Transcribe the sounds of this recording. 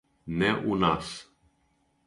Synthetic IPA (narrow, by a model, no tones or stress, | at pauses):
nɛʔunas